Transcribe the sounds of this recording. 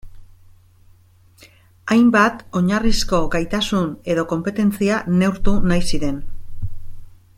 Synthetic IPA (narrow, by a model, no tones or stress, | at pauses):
ajmbat̪o̞ɲarisko̞ɡajt̪asune̞ðo̞ko̞mpe̞t̪e̞nt͡siane̞wɾt̪unajsiɾe̞n